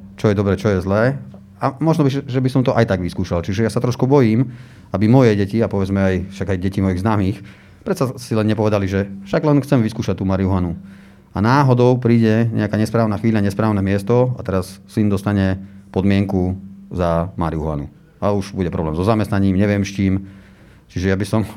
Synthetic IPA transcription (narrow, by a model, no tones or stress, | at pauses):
t͡ʃɔjɛd̪ɔbɾɛːt͡ʃɔjɛzlɛː | amɔʒnɔiʒɛbisɔmt̪ɔʔajt̪aɡʋiskuːʃalt͡ʃiʒɛjasat̪ɾɔʃkubɔjiːm | abimɔjɛɟɛciapɔʋɛd͡zmɛajfʃaɡajɟɛcimɔjiɣznaːmiːx | pɾɛt̪t͡sasilɛnɲɛpɔʋɛd̪aliʒɛfʃaɡlɛnxt͡sɛmʋiskuːʃac̚t̪ːuːmaɾiuɦʊanu | a̰naːɦɔd̪ɔʊpɾiːɟɛɲɛ̰akaɲɛspɾaːʊnaxʋiːʎaɲɛspɾaːʊnɛmɪɛst̪ɔat̪ɛɾassind̪ɔst̪aɲɛpɔd̪mɪɛŋkuzamaɾiuɦʊa̰nṵ | auʒbuɟɛpɾɔ̰blɛ̰ːmzɔzamɛst̪naɲiːmɲɛʋɪɛmst͡ʃiːm | t͡ʃiʒɛjabisɔm